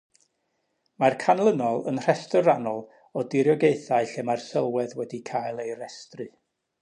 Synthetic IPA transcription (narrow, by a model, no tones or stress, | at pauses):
markʰanlˠənɔlˠənr̥ɛstɔɾanɔlˠ | ɔdɪɾjɔɡeɨθaɨɬɛmarsɛlˠwɛðwɛdikʰajlˠejɾɛstrɨ